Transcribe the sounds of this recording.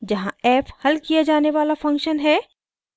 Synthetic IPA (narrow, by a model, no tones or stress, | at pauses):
d͡ʒɐɦãɛːphɐlkijad͡ʒaːneʋaːlafɐ̃ŋkʃənɦɛː